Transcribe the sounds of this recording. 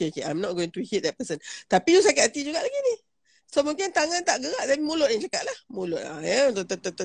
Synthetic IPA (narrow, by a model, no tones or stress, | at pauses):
okeokeʔa̰jmnɔt̚ɡoĩŋt̪uhit̪̚d̪ɛt̚pəsənt̪apidus̬akat̪at̪id͡ʒuɡaʔlaɡini | somũŋkɪnt̪aŋant̪aʔɡəɣaʔt̪apimulʊʔ̚jaŋt͡ʃakaʔ̚lahmulʊt̪̚ajət̪ot̪ot̪ot̪